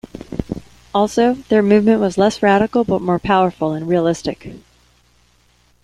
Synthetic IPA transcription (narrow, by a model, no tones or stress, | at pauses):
ɔlˠsoʊðə˞mʉvmɨ̃nʔwʌzlɛsɹæɾɨkl̩ˠbʌt̚mɔɹpʰaʊə˞fl̩ˠə̃nɹiəlɪstɨk